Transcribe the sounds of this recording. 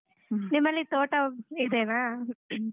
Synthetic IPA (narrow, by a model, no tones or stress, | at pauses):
nimːɐlːit̪oːʈɐid̪ena